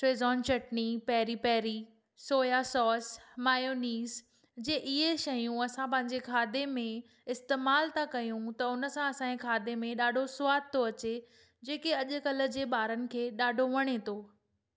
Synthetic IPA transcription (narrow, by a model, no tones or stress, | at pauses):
ʈɾeːzɔːnt͡ɕɐʈnipɛɦɾipɛːɾi | soːjasɔːsmaːjoːniːz | d͡ʑeʔɪɦeʃɐjũɐsãpɐ̃ɦɪ̃ɲd͡ʑekʰaːd̪emẽ | ɪst̪eːmaːlt̪ʰakɐjũt̪ɐʊnə̆sãɐsãekʰaːd̪emẽɗaːɖʱosʊʋaːd̪̚t̪ʰoɐt͡ɕe | d͡ʑeːkeɐʄʊ̆kɐlə̆d͡ʑeːɓaːɾənɪ̆kʰeːɗaːɖʱoʋɐɽ̃et̪ʰoː